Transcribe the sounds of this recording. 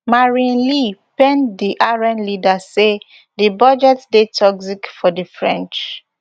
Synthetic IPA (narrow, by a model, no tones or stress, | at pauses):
maɹĩnlipɛ̃ndiʔaɹɛ̃nlidase | dibɔd͡ʒɛtdetʰɔksikfɔdəfɹɛ̃nt͡ʃ